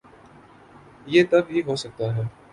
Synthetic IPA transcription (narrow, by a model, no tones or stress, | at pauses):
jeːt̪ɐbɦiɦosɐk̚t̪aɦɛː